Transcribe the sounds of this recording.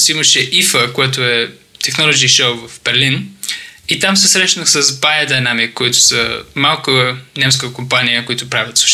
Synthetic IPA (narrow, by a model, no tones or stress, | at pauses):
simɐʃɛʔifəkoɛt̪ʊɛt̪ɛxnɔlˠod͡ʒiʃowvɐfbɛɾlin | it̪amsɛsɾɛʃnəxsəzbajəd̪ɐjnamikːʊit̪ʊ̥sə̰malˠkənɛms̬kəkʊmpanijəkʊit̪ʊpɾavʲɐt̪su̥ʃ